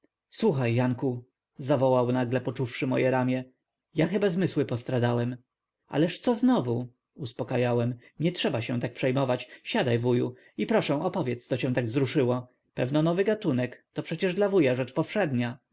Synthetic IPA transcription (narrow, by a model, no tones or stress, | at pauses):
swuxajːaŋku | zavɔwawnaɡlɛpɔt͡ʂufʂɘmɔjɛɾamʲjɛ | jaxɘbazmɘswɘpɔst̪ɾad̪awɛm | ʔa̰lɛʂt̪sɔznɔvu | uspɔkajawɛm | ɲɛtʂɛbaɕɛ̃w̃t̪ak̚pʂɛjmɔvat͡ɕɕad̪ajvujṵ | ipɾɔʂɛ̃ʔɔpɔvʲjɛt̪st̪sɔt͡ɕɛ̃w̃t̪aɡvzɾuʂɘwɔ | pɛvnɔnɔvɘɡat̪unɛkt̪ɔpʂɛt͡ɕɛʐd̪lavujaʐɛt͡ʂpɔfʂɛd̪ɲa